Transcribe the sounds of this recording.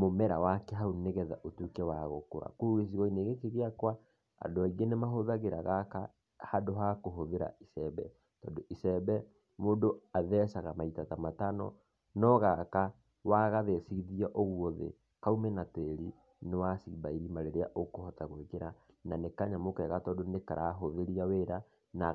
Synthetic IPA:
momɛɾawakɛɦauneɣɛðaʔotukɛwaɣo̰koɾa̰kuɣes̬iɣɔineɣekeɣeakwa | a̰doaiɣenemaɦoðaɣeɾaɣaka | hadoɦakoɦoðeɾa̰isɛβɛ̰ | tɔndoʔisɛbɛ | moːdoaðɛsaɣamaitatamatanɔ̰ | nɔɣaka | waɣaðɛsiɣiðiɛʔoɣwɔðḛ | kaumɛnateɾi | newasḭbaiɾimaɾeɾeaʔokohɔtaɣwekeɾananekaɲamokɛɣatɔdoneka̰ɾʔaɦoðeɾiaweɾa | na

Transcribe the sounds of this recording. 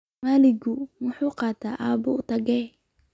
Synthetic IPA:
maːlɪɡʊwʊħuːqɑːt̪ʰaːʔaːbʊʊt̪ʰɐɡɛj

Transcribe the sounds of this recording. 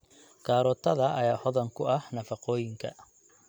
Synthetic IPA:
kʰaːɾɔːt̪ʰɐðɐʔɐjaːhɔðɐŋkʰʊɐhnɐfɑqɔːjɪŋkʰɐ̰

